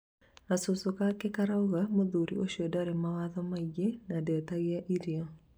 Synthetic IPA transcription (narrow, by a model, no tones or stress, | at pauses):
asʊsokakɛkaɾauɣamoðuɾḭoʃɔdaɾɛmawaðɔmaiɡenadɛt̪aɡɪaʔiɾiɔ